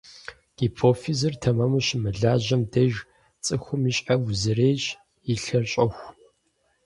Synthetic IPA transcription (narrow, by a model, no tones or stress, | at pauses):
ɡ̥iːpʰoːfizɨrtʰɐmɐmɨɕmɨɮaːʑɐmdɐʒ | t͡sʼɨxʷʊmiɕʼawʊzɨreːjɕ | iɬɐrɕʼɐxʷ